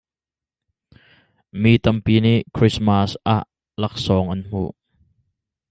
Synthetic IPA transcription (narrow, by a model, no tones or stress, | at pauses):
miːt̪ɐmpiːniʔkʰɾismɐsʔaːʔ | lɐk̚sɔːŋʔɐnm̥ṵʔ